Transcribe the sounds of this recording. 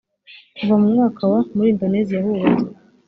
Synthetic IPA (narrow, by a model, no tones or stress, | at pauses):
kuvamumŋaːkʰawamuɾiːndo̞ne̞ːzijahuβato